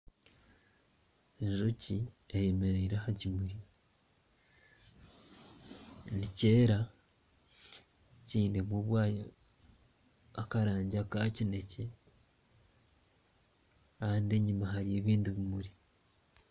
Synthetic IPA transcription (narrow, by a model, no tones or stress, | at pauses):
eɲʒoci | ejeme̞ɾeiɾahacimuɾi | nice̞ːɾa | ciːnemuβwaːjo | akaɾaːɲɟakacine̞ce̞ | kaaːndieɲimaɦaɾie̞βiːndiβimuɾi